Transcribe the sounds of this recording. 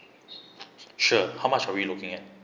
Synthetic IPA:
ʂɤxamaɕʰɑʊilukiŋɛn

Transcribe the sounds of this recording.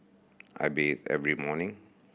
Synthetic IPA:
ʔa̰jbesɛ̰vɹimɔnɪ̃ŋ

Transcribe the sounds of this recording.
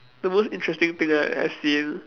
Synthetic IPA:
d̪əmosɪ̃ntɹɛstɪ̃ŋt̪ɪ̃ŋaa̰sĩn

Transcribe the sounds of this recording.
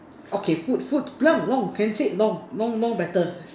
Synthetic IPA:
ʔokʰefut̚fut̚blaŋlɔŋkʰɛnseʔlɔŋlɔŋlɔ̃ŋbɛt̪ə

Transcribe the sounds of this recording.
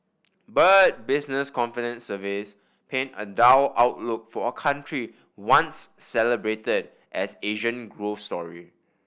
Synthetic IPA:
bət̚bɪsnəskɔ̃nfidə̃nsəvis | pʰẽnə̰daʊʔaʊtluk̚fɔəkʰãntʰɹi | wãnsːɛləbɹetəd | ʔɛseʒə̃nɡɹofstɔɹi

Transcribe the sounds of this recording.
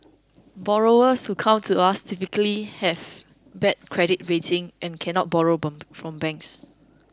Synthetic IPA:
bɔɹoəshukʰãmtʰuastʰipikəlihɛv | bɛt̚kʰɹɛdit̚ɹetɪ̃ŋʔɛ̃nkʰɛ̃nɔt̚bɔɹofɹɔ̃mbɛ̃ŋks

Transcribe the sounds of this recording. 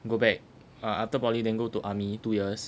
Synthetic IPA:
ɡobɛk̚ | aaftəpɔlidɛ̃nɡotuʔamitujəs

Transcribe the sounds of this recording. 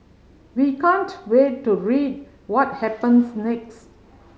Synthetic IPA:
wikãntwetːuɹid̚ | wɔt̚hɛpə̃nsnɛks

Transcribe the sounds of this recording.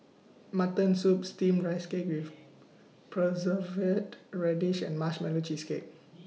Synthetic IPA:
matə̃nsup̚stĩmɹaɪskep̚wif | pʰɹɔzəvətɹɛdiʃɛ̰̃nmaʃmɛlod͡ʒiskep̚

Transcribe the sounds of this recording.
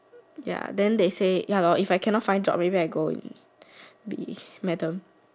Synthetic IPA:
ja̰dɛ̃ndesejalɔʔifajkʰɛ̃nɔt̚fãɪ̃ndd͡ʒɔ̰p̚mebiajɡoḭ̃n | bḭmɛtə̃m

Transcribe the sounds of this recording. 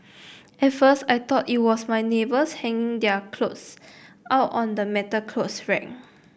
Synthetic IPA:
ʔɛt̚fəstajt̪ɔtit̚wɔsmajnebəshɛ̃ŋĩŋdɛəkʰlots | ʔaʊtɔ̃ndəmɛtəkʰlosɹɛ̰̃ŋ

